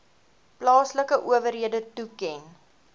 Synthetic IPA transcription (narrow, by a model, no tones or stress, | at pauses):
plɑːsləkəʔuəvəɾɦiədətukɛn